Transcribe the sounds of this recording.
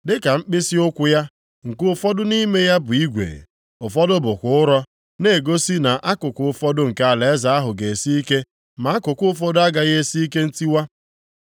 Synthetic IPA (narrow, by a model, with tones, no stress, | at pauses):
dɪ˦ka˨ŋ͡m̩˦k͡pɪ˦si˦ʊ˦kʷʊ˦ja˦ | ŋ̩˨kʊ˦ʊ˦fɔ˦dʊ˦ni˦me˦ja˦bʊ˨i˦ɡʷḛ˨ | ʊ˨fɔ˦dʊ˦bʊ˨kʷʊ˦ʊ˦ɾɔ˦ | ne˨ɡo˦si˦na˨ʔa˦kʊ˨kʊ˨ʊ˦fɔ˦dʊ˦ŋ̩˨ka˦a˨le˨e˦za˨˦a˦ɦʊ˨ɡe˨e˨si˦i˦ke˦ | ma˨a˦kʊ˨kʊ˦ʊ˦fɔ˦dʊ˦a˦ɡa˨ɣe˦e˦si˦i˦ke˦n̩˦ti˦wa˦